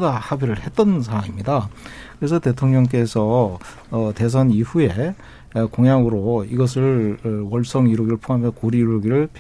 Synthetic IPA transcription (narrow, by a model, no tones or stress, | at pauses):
dahabiɾɯɭhe̞t̚t͈ʌnsʰaŋimɲidakɯɾe̞sʰʌte̞tʰoŋɲʌŋk̬͈e̞sʰʌ | te̞s̬ʰʌniɸue̞ | koŋjaŋɯɾoiɡʌs̬ʰɯɭwʌɭs͈ʌŋiɾoɡiɾɯɭpʰoɦameskoɾiɾoɡiɾɯɭpʰ